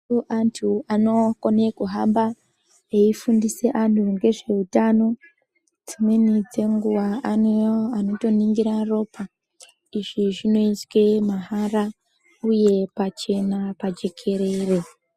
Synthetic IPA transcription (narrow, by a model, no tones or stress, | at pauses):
oʔantʰuano̞kone̞kuɦamba | eifundise̞ʔantʰuŋɡe̞ʐe̞utaːno̞ | d͡zimwe̞nid͡ze̞ŋɡuwaanoano̞to̞niŋɡiɾaro̞pʰa | iʐiʐino̞iswe̞maɦaɾa | uje̞pat͡ʃe̞napad͡ʒe̞kʰe̞ɾe̞re